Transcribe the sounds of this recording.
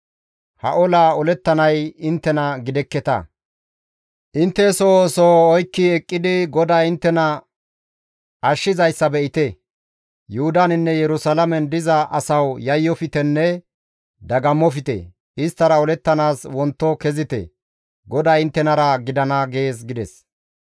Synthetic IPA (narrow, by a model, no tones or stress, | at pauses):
hɐ̰ʔɔlaːɔlɛt̪ːɐnɐjɪnt̪ːɛnɐɡɪd̪ɛkːɛt̪ɐ̰ | ʔɪnt̪ːɛsɔsɔɔjkːɪɛkʼːɪd̪ɪɡɔd̪aːɪnt̪ːɛnɐ | ɐʃːɪzɐjsːɐbɛʔɪt̪ɛ | jʊhʊd̪anɪnːɛjɛɾʊsɐlɐmɛnd̪ɪzɐʔɐsɐwjɐjːɔfɪt̪ɛnːɛ | d̪ɐɡɐmːɔfɪt̪ɛ̰ | ɪst̪ːɐɾɐɔlɛt̪ːɐnaːswɔnt̪ːɔkɛzɪt̪ɛ̰ | ɡɔd̪aːɪnt̪ːɛnɐɾɐɡɪd̪ɐnɐɡe̞ːsɡɪd̪ɛs